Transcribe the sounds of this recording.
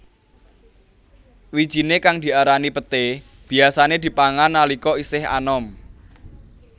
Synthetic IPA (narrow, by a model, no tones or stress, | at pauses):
wid̥ʒ̥i̤nekaŋd̪̥i̤aɾanipət̪e | b̥i̤asaned̪̥i̤paŋanːalikɔisɪha̰nɔm